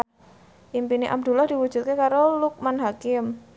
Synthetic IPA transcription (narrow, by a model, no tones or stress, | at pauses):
ʔimpiniʔa̰b̚d̪̥ulahd̥iwud̥ʒ̥ṳt̪̚kekaɾoluk̚manɦakɪm